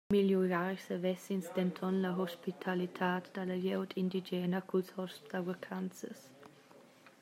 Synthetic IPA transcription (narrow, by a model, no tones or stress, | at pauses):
miljuɾaɾsəvɛsinsd̪ɛnt̪ʰɔnlaɦɔspit̪ʰalit̪ʰaːt̪d̪̥alajɛwd̪ʰind̪id͡ʒɛːnakʰushɔstavəkʰant͡sə̰s